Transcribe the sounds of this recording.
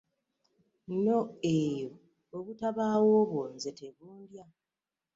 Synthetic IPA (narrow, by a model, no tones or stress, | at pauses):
no̞ejoː | βutaβaːwoːβwo̞ːnze̞te̞βuːndja